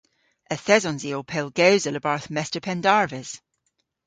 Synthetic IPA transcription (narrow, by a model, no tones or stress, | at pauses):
əθɛzɔ̃nziopʰɛlˠɡɛwzələbaɹθmɛstə˞pʰɛndaɹvɪz̥